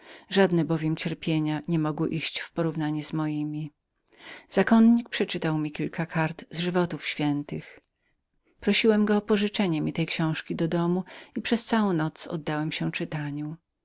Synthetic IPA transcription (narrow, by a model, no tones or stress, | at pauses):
ʐad̪nɛbɔvʲjɛmt͡ɕɛɾpʲjeɲaɲɛmɔɡwɪʔiɕt͡ɕfpɔɾuvnaɲɛzmɔjimʲi | z̥akɔnɲik̚pʂɛt͡ʂɘt̪awmʲikʲilkakʰaɾt̪zʐɘvɔt̪ufɕfʲjɛnt̪ɘx | pɾɔɕiwɛmɡɔːpɔʐɘt͡ʂɛɲɛmʲit̪ɛjkɕɔ̃w̃ʂkʲid̪ɔd̪ɔmuipʂɛst̪sawɔ̃w̃nɔt̪sɔ̰d̪ːawɛmɕɛt͡ʂɘt̪aɲu